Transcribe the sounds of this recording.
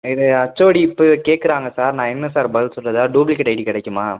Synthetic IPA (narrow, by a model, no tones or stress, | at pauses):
ɪðɯɐt͡ʃːoːɽiɪpːɯkeːʈ̚kɯɾaːŋɡɐsaːɾnãːɛnːɐsaːɾbɐlsɔlrɐðaːɖuːblikːɐʈɐɪʈikɪɽɛkːɯmaː